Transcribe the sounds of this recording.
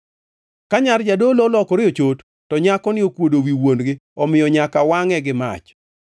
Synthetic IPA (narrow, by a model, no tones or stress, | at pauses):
kaɲard͡ʒadololɔkɔɾɪot͡ʃotːɔɲakɔnɪokwodowiwonɡɪɔmɪjɔɲakawaŋɛɡɪma̰t͡ʃ